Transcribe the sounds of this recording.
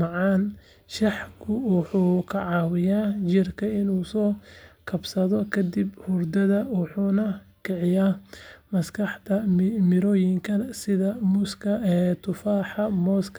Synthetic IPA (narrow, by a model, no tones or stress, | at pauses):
mɑʕɑːn | ʃɑħkʰʊwɑħuːkʰɐʕɑːwɪjaːt͡ʃɪrkʰɐɪnuːsɔːkʰɐbsɐðɔkʰɐd̪ibhʊrd̪ɐðɐwʊħuːnɐ | kʰɛʕɪjaːmɐskʰɐħt̪ʰɐmɪɾɔːjɪŋkʰɐsɪðɐmʊskʰɐt̪ʰʊfaːħɑmɔːskʰ